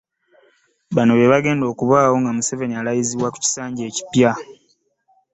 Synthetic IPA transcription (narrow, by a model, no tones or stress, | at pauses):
βano̞βe̞βaɡe̞ːndo̞ːkuβaːwo̞ŋɡamuseve̞nialajiziβwaku̥ci̥saːɲɟe̞ːci̥pja